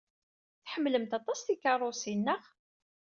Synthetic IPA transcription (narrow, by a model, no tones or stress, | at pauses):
θħəmːləmt̪ɑt̪ˤɑsθikɑrˤosinːəʁ